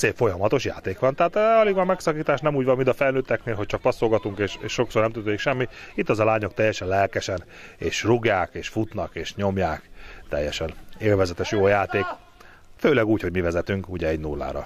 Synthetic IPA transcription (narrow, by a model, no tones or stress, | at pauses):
seːpfo̞jɒmɒt̪o̞ʃja̰ːt̪eːkʋɒnt̪ɛɦat̪ɒliɡʋɒmmɛksɒkiːt̪aːʃnɛmuːɟʋɒmːind̪ɒfɛlnøːt̪ːɛkneːlɦo̞c̚t͡ʃɒk̚pɒso̞lɡɒt̪uŋkeːʃḛːʃʃo̞ksornɛmt̪øt̪øːikʃɛmːiit̪ːɛzɒlaːɲo̞k̚t̪ɛjːɛʃɛnlɛlkɛʃɛneːʃruɡjaːkeːʃfut̪nɒkeːʃɲo̞mjaːkt̪ɛ̰jːɛʃɛneːlvɛzɛt̪ɛʃjoːjaːt̪eːk | føːlɛɡuːcho̞ɟmivɛzɛt̪yŋkuɟɛɛɟnulːa̰ːɾɒ̰